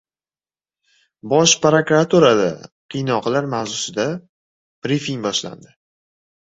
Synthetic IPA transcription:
bɒʃpɾakɾat̪ʰuɾad̪a̰qʰijnɒqlaɾmawzʊsɪd̪a | b̥ɾifiŋbɒʃla̰nd̪ɪ

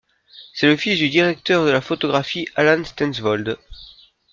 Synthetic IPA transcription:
sɛləfisd̪yd̪iʁɛk̚t̪œʁd̪əlafot̪ɔɡʁafialãnst̪ɛ̃nsvɔld̪

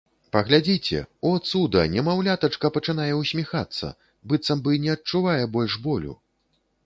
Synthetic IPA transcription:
pɐɣlʲad͡zʲit͡sʲɛ̰ɔt̪sud̪ɐnʲɛmawlʲat̪ɐt͡ʂkɐpɐt͡ʂɨnajɛwsʲmʲixat̪sːɐ̰ | bɨt̪sɐmbɨnʲɛɐt̚t͡ʂuvajɛbɔlʲʂbɔlʲṵ

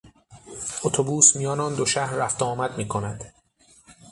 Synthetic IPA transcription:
ot̪ʰobuːsmijɒːnɒːnd̪oʃæhɾːæft̪oɒːmæd̪miːkʰo̞næd̪̥

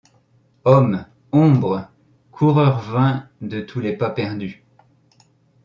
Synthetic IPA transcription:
ɔm | ɔ̃bʁə | kʰuʁœʁvɛ̃d̪ət̪ʰulepapɛʁd̪y

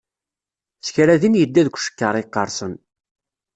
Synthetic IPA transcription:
θçɾæðinjəd̪ːæðkʷʃə̥kːəɾˤɪqːɑɾˤsən

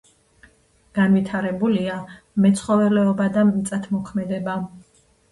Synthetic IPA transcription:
ɡ̥anvit̪ʰaɾɛbulia | mɛt̪sʰχɔvɛlɛɔbad̪amit̪sʼat̪ʰmɔkʰmɛd̪ɛba

